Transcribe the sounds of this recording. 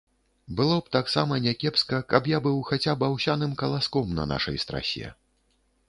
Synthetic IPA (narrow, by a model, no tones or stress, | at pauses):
bɨlˠɔpt̪aksamɐnʲɛkʲɛpskɐkɐpjabɨwxat͡sʲabawsʲanɨmkɐlˠaskɔmnɐ̰na̰ʂɐ̰jst̪ɾa̰sʲɛ̰